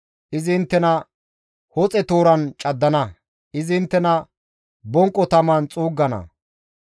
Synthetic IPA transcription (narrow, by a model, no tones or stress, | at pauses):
ʔɪznt̪ːɛnɐ | hɔt͡sʼɛt̪oːɾɐnt͡ʃʼɐd̪ːɐnɐ | ʔɪzɪɪnt̪ːɛnɐ | bɔŋkʼːɔt̪ɐmɐnt͡sʼuːɡːɐnɐ̰